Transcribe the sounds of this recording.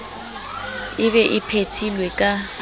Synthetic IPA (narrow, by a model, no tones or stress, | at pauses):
ɪbɛʔɪpʰetʰilwɛkʼa